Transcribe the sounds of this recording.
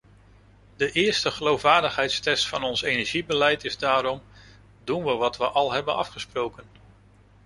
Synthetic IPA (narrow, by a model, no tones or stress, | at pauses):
dəʔɪːɹstəχəlowfʋaːɹdəχɦɛjtstɛstfɑnɔnsejnɛɹʒibəlɛjtɪzdaːɾɔm | dunʋəʋɑtʋəʔɑlˠɦɛbənɑ̰fχəsprowkən